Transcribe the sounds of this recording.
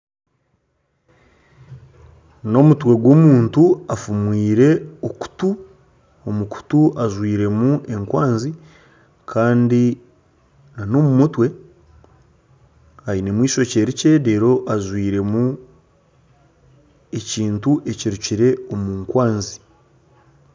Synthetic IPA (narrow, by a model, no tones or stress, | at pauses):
no̞mutwe̞ɡwoːmuːntuafumwiːɾe̞oku̥tu | omuku̥tuʔazwiːɾe̞muʔe̞ŋkwaːnzi | kʰaːndi | nano̞mumutwe̞ | ainemwiːʃo̞ce̞ɾice̞de̞ːɾo̞ʔazwiːɾe̞mu | e̞ciːntuʔe̞ciɾuciɾe̞omuːŋkwaːnzi